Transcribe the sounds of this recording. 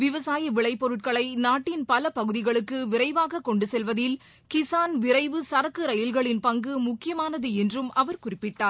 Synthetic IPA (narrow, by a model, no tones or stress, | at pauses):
ʋɪʋɐsaːjɐʋɪɭɐɪpːɔɾɯʈ̚kɐɭɐɪnaːʈːɪnpɐlɐpɐɣɯðɪɣɐɭɯkːɯʋɪɾɐɪʋaːɣɐkːɔɳɖɯsɛlʋɐðɪl | kɪsaːnʋɪɾɐɪʋɯsɐɾɐkːɯɾɐjɪlɣɐɭɪnpɐŋɡɯmʊkːɪjɐmaːnɐðɯɛndrɯmʔɐʋɐɾkʊrɪpːɪʈːaːɾ